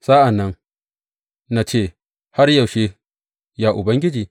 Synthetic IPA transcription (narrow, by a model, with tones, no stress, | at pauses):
saː˦ʔa˨nːɐ˦n | na˨t͡ʃeː˦˨ | ha˦ɾja˨wʃe˦ | ja˨ʔʊ˨bɐ˦ŋɡʲɪ˦d͡ʒiː˨